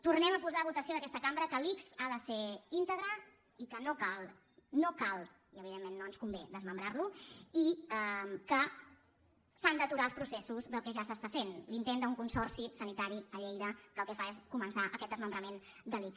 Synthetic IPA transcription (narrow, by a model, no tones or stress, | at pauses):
t̪urnɛməpuzaβut̪əsioðəkɛst̪əkambɾəkəliksaðəseint̪əɣɾə | ikənokalˠ | nokalˠ | iəβ̞iðemːenːoənskumbed̪əzməmbɾarluiəmkə | sand̪ət̪uɾalˠspɾusɛsuzðəlˠkɛʒasəst̪afenlint̪end̪əuŋkunsɔrsisənit̪aɾiəʎejðəkəlˠkɛfaeskumənsaʔəkɛt̪̚d̪əzməmbɾəmend̪əliks